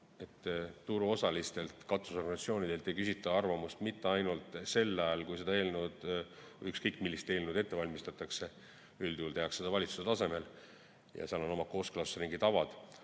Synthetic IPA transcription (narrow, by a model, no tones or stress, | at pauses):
e̞t̪ːuɾuo̞sɑlist̪e̞lt̪kɑt̪ːu̥so̞rɡɑnsɑt̪sio̞ːnid̥̪e̞lt̪ːˑe̞jkysʲit̪ːˑɑɑrvɑmust̪mit̪ːˑe̞ɑjnult̪ˑse̞lːɑjɑlkujs̬e̞d̪ɑe̞ːlnud̪̥ | vjykskɤjkːˑmilːist̪e̞ːlnud̪̥e̞t̪ːe̞vɑlʲmist̪ɑt̪ːˑɑkse̞ | yld̪uːlt̪e̞ɦɑksed̪ɑvɑlʲit̪su̥set̪ɑse̞me̞l | jɑ̰seɑlo̞no̞mɑko̞ːsklɑsriŋɡit̪ɑvɑd̪̥